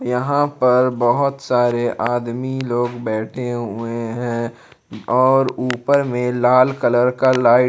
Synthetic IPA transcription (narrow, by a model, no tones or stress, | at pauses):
jɐɦãpɐɾbɐɦʊt̪saːɾeʔaːd̪miloːɡbɛːʈʰeɦʊeɦɛ̃ | ɔːɾuːpəɾmẽlaːlkələɾkalaːɪ